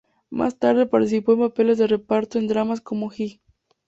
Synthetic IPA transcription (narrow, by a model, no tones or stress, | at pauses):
ma̰st̪aɾð̞e̞paɾt̪is̬ipo̞e̞mpape̞le̞zðe̞re̞paɾt̪oe̞nd̪ɾamasko̞moxi